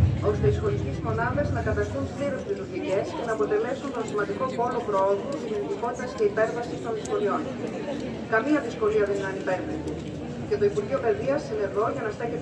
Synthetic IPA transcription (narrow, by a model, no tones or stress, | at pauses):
o̞st̪eisxo̞licezmo̞nɐðe̞znɐkɐt̪ɐst̪unpliɾospɾiðoc̪iɾie̞sce̞nɐːpo̞t̪e̞le̞sunt̪o̞nsimɐnd̪iko̞po̞lo̞pɾooðuðinonit̪iko̞t̪it̪ɐsce̞ipe̞ɾvɐsist̪o̞nðisko̞lio̞n | kɐmiɐðisko̞liɐðenɐnipeɾðed̪e | ce̞t̪o̞ipuɾʝio̞pe̞ðiɐsːine̞ɾðo̞ʝɐnɐst̪eçe